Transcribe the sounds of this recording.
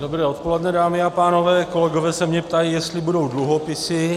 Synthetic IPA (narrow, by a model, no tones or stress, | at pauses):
dobɾɛːo̞t̪̚polɛdnɛdaːmɪapaːno̞vɛːko̞lɛɡo̞vɛːsɛmɲɛpt̪ajijɛst̪lɪbudo̞wdluɦopɪsɪ